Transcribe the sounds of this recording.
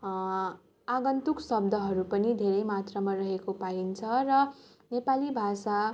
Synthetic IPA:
aɡʌnt̪uksʌb̚d̪ʱʌɦʌɾupʌnid̪ʱeɾʌjmat̪rʌmarʌɦekopaint͡sʰʌrʌ | nepalibʱasa

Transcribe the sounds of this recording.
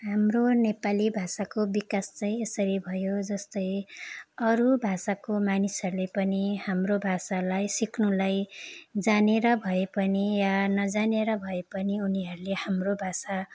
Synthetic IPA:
ɦamronepalibʱasakobikast͡sãĩesʌɾibʱʌjod͡zʌst̪ʌj | ʌɾubʱasakomanisʌɾulepʌnihamrobʱasalajsiknulajd͡zaneɾʌbʱʌepʌnijanʌd͡zaneɾʌbʱʌepʌniuniɦʌɾulehamrobʱasa

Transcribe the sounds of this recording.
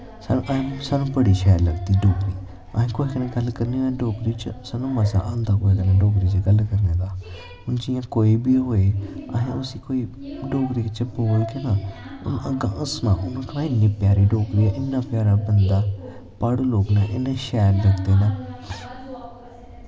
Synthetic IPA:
snːʔə̃saːnũːbəɽiːʃɛːɾləɡt̪iːɖoːkɾiː | əɦẽːkoːikənẽːɡəlkəɾnẽːãːɖoːkɾiːt͡ʃsaːnũːmaːsã̰ːʔãːnd̪aːkoːikənãːɖoːkɾiːt͡ʃɡəlkəɾnẽːd̪aː | ʊnd͡ʒɪjãːkoːiːbiːɦoːeːa̰ɦẽːʊsiːkoːiː | ɖoːkɾiːkət͡ʃəboːiːkɛ̃ːnãː | ʊ̰nəɡãːʔəsmã̰ːʔʊnãːkənãːɪnːẽːpɪjaːɾeːɖoːkɾiaːʔɪnːaːpjaːɾaːbənd̪aː | paːɽoːloːknaːʔɪnẽːʃɛːɾləɡt̪eːnãː

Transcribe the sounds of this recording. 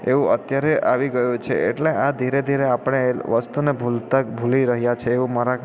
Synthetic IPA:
eʋũʔət̪jaɾeʔaʋiɡəjũt͡ʃʰeeʈleʔad̪ʱiɾed̪ʱiɾeapɳ̃eʋəst̪unebʱult̪abʱuliɾəɦjat͡ʃʰeːʋũmaɾa

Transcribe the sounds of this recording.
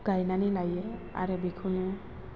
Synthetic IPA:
ɡ̥ʱajnanilaje | a̰ɾebikʰune

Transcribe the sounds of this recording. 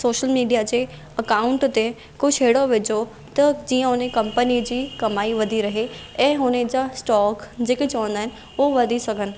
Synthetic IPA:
soːʃəlmiːɖijad͡ʑeː | ɐkaːʊ̃ɳʈt̪e | kʊʃʰeːɽoʋɪd͡ʑo | t̪ɐd͡ʑiːə̃ʊnẽkɐ̃mpənid͡ʑiːkɐmaːiʋɐd̪ʱiɾɐɦeɛ̃ːʊned͡ʑasʈɔːkd͡ʑeːket͡ɕɐʋə̃nd̪aːɦɪnɪ̆ | oʋɐd̪ʱisɐɡʱənɪ̆

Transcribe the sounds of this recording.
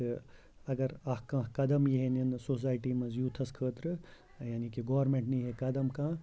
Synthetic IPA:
ɐɡɐɾɐɦkãːkɐd̪ɐmjiɦeninsoːs̬aːjʈiːmɐ̃zjuːt̪ʰɐskʰəːt̪ɾɨ | jaːnikiɡoːɐɾmẽːɳʈniɦekɐd̪ɐmkãː

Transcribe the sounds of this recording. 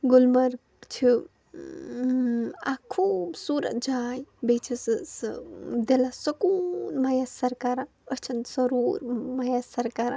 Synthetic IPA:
ɡulmɐɾ | t͡ʃʰi | a̰kʰuːbsuːɾə̰t̪̚d͡ʒaːjbet͡ʃʰissd̪elasɐkunmajasɐɾkaːɾa | ət͡ʃʰɐnt̪sɐɾuːɾmajasɐɾkaːɾa

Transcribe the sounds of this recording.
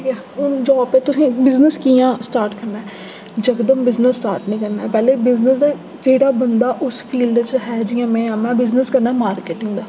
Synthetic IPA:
ʈʰiːkɛː | ʊnd͡ʒɔːpet̪ʊsĩːbɪznəskiːãːsʈaːɾʈkəɾnaːɛː | d͡ʒəkd̪əmbɪznəsːʈaːɾʈnĩːkəɾnaːɛpɛːleːbɪznəsd̪aː | d͡ʒeːɽaːbənd̪aːʔʊspʰiːlɖ̪t͡ʃɦɛːd͡ʒiːãːmɛ̃ːãːmɛ̃ːbɪznəskəɾnaːɛmaːɾkeːʈɪŋɡd̪aː

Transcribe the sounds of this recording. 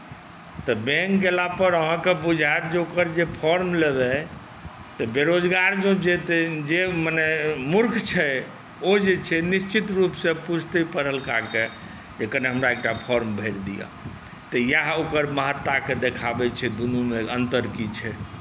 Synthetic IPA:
t̪ɔbɛ̃ŋkːelapəɾəɦãkebud͡ʒʱaet̪d͡ʒeokəɾd͡ʒepʰɔɾmlebɛ | t̪əbeɾod͡ʒɡaɾd͡ʒõd͡ʒet̪ɛd͡ʒemanɛmuɾkʰt͡ʃʰɛ | od͡ʒet͡ʃʰɛnist͡ʃit̪ɾupsẽput͡ʃʰt̪əpəɾəlkake | d͡ʒekəneɦəmɾaek̚ʈapʰɔɾmbʱəjɾd̪ija̰ | t̪əjaɦokəɾməɦət̪ːaked̪ekʰabɛt͡ʃʰɛd̪unumeənt̪əɾkit͡ʃʰɛ

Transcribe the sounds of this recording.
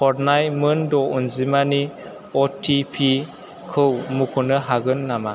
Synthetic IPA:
pʰɔɾnajmɯndɔʔunzimani | ɔtʰipʰi | kʰɯwmukʰunɯɦaɡɯnːama

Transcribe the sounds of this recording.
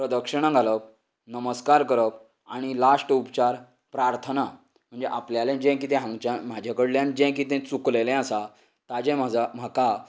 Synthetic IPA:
pɾəd̪əkʂəɽ̃ãɡʱalək̚ | nəməskaɾkəɾək | aɽ̃ilasʈupt͡ɕaɾ | pɾaɾt̪ʰəna | m̤əɳd͡zeʔapljaljãnd͡ʑɛ̃k̬it̪̬ɛ̃ɦãŋt͡ɕãm̤ad͡ʑʱakəɽljãnd͡ʑɛ̃k̬it̪̬ɛ̃t͡suklelɛ̃asa | t̪ad͡ʑɛ̃mad͡zʱam̤aka

